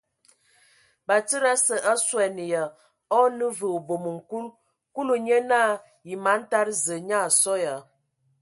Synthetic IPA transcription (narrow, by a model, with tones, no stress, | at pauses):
ba˨tə˦ɾa˦sə˨ʔa˦swɛ˨ni˨ja˨ | ɔ˦nə˦və˨o˨bo˨mə˨ŋ̩˨ku˦l | ku˦lu˨ɲe˦na˦˨ | ji˨ma˨˦n̩˦ta˦ɾzə˨ɲa˦˨sɔ˦ja˨